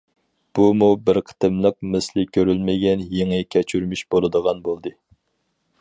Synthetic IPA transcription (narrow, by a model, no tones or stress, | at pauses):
b̥umubɪɾqʰə̥t̪ɨmlˠəq̚mɨslɪkʲʰøɾylmɪɡʲɛnjeŋɨkʲʰɛt͡ʃʰyɾmyʃb̥olˠɨd̪əʁɑnbolˠd̪ɨ